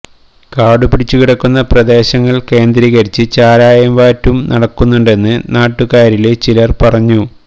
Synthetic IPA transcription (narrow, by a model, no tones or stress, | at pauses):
kaːɽupiɽit͡ɕːukiɽɐkːunːɐprɐd̪e̞ːɕɐŋːɐɭke̞ːnd̪ɾiɣɐɾit͡ɕːɨt͡ɕaːɾaːjɐmʋaːtːumnʔɐɽɐkːunːuɳɖe̞nːɨnaːʈːukaːɾilet͡ɕilɐrpɐrɐɲːu